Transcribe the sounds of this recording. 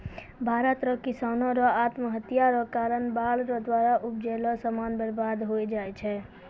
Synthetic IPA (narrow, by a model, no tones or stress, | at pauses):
bʱaɾət̪ɾʌkisanɔɾɔat̪məɦət̪ijaɾɔkaɾənbalɾɔd̪waɾaʔupd͡ʒelɔsəmanbəɾbad̪ɦojd͡ʒajt͡ʃʰɛ